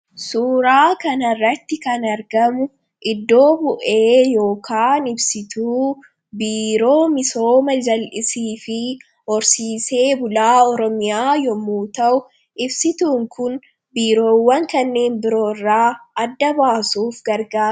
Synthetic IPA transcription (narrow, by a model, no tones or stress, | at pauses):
suːɾaːkɐnɐrːɐt̪ːɪkɐnɐɾɡɐmʊ | ʔɪd̪ːo̞ːbʊʔe̞ːjo̞ːkʰaːnɪbsɪt̪uː | biːɾo̞ːmɪso̞ːmɐd͡ʒɐlʔɪsiːfɪ | ɔɾsiːse̞ːbʊlaːɔɾɔmɪjaːjɔmːuːt̪ɐʔʊ | ʔɪbsɪt̪uːŋkʊn | biːɾo̞ːwːɐŋkɐnːe̞ːnbɪɾo̞ːrːaːɐd̪ːɐbaːsuːfɡɐɾɡaː